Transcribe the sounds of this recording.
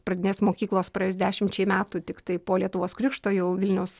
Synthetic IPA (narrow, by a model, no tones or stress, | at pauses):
prɐd̪ʲɪnʲeːsmoːkʲiːklˠoːspɾɐeːjːzd̪ʲæːʃʲɪmt͡ʃʲɛɪmʲæːt̪ʊt̪ʲɪkt̪ɐɪpoːlʲiɛt̪ʊʋoːskɾʲʊkʃt̪oːjɛʊʋʲɪlʲnʲɛʊs